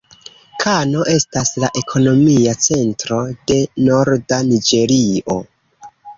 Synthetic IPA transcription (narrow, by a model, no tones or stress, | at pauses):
kʰano̞ʔe̞staslaʔe̞kʰo̞no̞miat͡se̞ntɾo̞d̥e̞no̞ɾdanid͡ʒe̞ɾio̞